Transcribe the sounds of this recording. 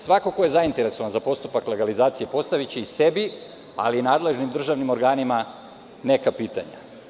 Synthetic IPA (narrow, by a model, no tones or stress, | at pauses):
sʋako̞ko̞je̞zaint̪e̞ɾe̞so̞ʋanzapo̞st̪upakle̞ɡalizaːt̪sije̞po̞st̪aʋit͡ɕeise̞bi | a̰liːnaːd̪le̞ʒnimd̪ɾr̩ʒaʋnimo̞ɾɡaːnima | ne̞kapiːt̪a̰ɲa̰